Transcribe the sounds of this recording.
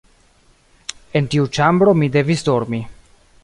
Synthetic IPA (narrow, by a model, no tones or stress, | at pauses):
e̞ntiut͡ʃambɾo̞mide̞visdo̞ɾmi